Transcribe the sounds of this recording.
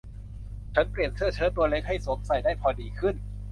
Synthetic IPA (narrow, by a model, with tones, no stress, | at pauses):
t͡ɕʰa˦˥npli˨˩ənsʰɯ˥˩ɐt͡ɕʰɤː˧˥˩t̪u˧ɐle˦˥k̚ha˥˩jso˨˩˦ŋsa˨˩jdaː˥˩jpʰɔː˧˩diː˧kʰɯ˥˩n